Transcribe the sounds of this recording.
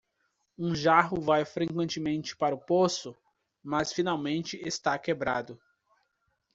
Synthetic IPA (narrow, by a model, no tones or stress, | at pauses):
ũʒaɦʊvajfɾẽkwẽnt͡ʃɪmẽnt͡ʃɪ̥paɾʊposʊ | mɐsfinawmẽnt͡ʃɪʔest̪akebɾad̪ʊ